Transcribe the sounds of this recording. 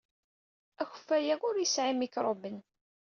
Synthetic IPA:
æçə̥fːæjæʊɾjəsʕimikɾˤobən

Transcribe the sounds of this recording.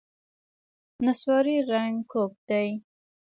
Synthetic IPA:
naswɑɾiɾaŋɡkʰok̚d̪aj

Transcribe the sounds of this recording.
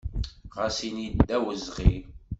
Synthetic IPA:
ʁasinid̪ːæwəzʁi

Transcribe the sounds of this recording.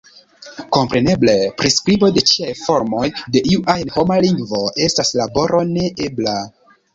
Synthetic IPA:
ko̞mpɾe̞ne̞ble̞pɾiskɾibo̞de̞t͡ʃiajfo̞ɾmo̞jde̞ʔiuʔajnho̞maliŋɡvo̞ʔe̞staslabo̞ɾʔo̞ne̞ʔe̞bla

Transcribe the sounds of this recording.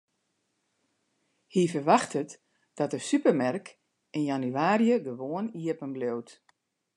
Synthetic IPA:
hifərʋaxtʰət | d̥ɔtəsypərmɛrk | ɪnjanyaːrjəɡəʋoəniəpənblowt

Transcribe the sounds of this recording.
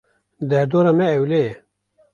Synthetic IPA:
d̪ɐd̪oːɾɐmeːwle

